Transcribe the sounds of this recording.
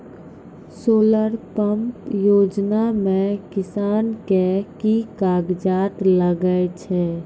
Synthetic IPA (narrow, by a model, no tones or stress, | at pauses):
soːləɾpəmpjoːd͡ʒnamẽkɪsaːnkekikaːɡd͡ʒaːt̪ləɡəet͡ʃʰɛ